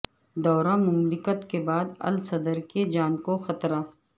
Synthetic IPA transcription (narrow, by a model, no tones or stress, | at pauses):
d̪ɔːɾãmʊmlɪkət̪kebaːd̪ɐ̰lsɐd̪əɾked͡ʒaːnkoxɐt̪ɾaː